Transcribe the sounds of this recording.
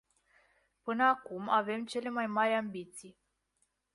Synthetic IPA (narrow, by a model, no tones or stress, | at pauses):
pɨnəakumave̞mt͡ʃe̞le̞majmaɾʲambit̪sij